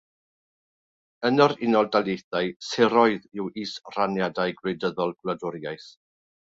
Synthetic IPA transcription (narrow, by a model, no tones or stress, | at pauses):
ənɔɾɪnɔlˠdalˠjejθajsɛɾɔɨðɪwiːsr̥anjadajɡwedəðɔlˠɡ̥wlˠadʊɾjajθ